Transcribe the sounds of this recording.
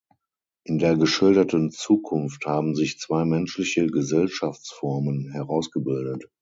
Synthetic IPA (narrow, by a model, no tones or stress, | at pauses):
ʔɪndeːɐɡəʃɪldɐtənt͡suːkʰʊnfthaːbm̩zɪçt͡sv̥aɪmɛnʃlɪçəɡəzɛlʃaft͡sfɔɐmənɦɛʁaʊsɡ̥əbɪldət